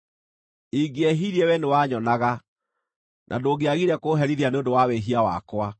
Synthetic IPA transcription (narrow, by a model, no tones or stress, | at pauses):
iɡeɛɦiɾiɛwɛnewaɲɔnaɣa | nʔa̰doɡeaɣiɾɛkoːɦɛɾiðianeondowaweɦiawa̰kwa